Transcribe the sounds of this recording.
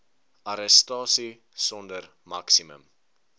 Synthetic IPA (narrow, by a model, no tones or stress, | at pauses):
ɐɾəstɑːsi | sɔndər | mɐksimə̰m